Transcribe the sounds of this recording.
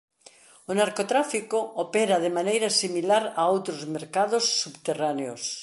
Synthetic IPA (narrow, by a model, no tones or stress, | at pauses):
onaɾkot̪ɾafikoopeɾaðemanejɾasimilaɾaowt̪ɾozmeɾkaðosːubt̪eraneos